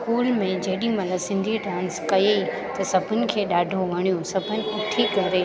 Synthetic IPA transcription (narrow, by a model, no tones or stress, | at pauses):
kuːlmẽd͡ʑɐɦɪɗimɐləɡsɪ̃nd̪ʱiɖãːnskɐjei | t̪ɐsɐbʱʊnɪ̆kʰeːɗaːɖʱoʋɐɽ̃ijosɐbʱʊnɪ̆ɪʈʰikɐɾeː